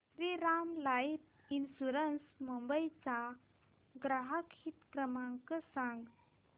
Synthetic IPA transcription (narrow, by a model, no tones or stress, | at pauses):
ɾiɾamlajip | insuɾənsmumbəit͡sa | ɡɾaɦəkhit̪kɾəmaŋkəsãŋɡ